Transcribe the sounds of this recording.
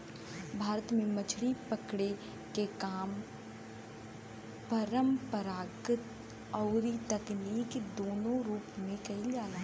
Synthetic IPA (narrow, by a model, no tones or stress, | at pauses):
bʱaːɾət̪mẽmɐt͡ʃʰɽipəkɽe | kekaːm | pɐɾəmpəɾaːɡət̪ | ɔːɾit̪ɐkniːkd̪oːnõɾuːpmẽkɐɪld͡ʒaːla